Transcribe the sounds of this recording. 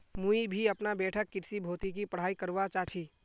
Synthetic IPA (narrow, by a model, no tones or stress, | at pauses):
mũibʱiɐpnabɛːʈʰəkːɪɾsibʱoːt̪ikipəɽ̤aːikəɾʋat͡ʃaːt͡ʃʰiː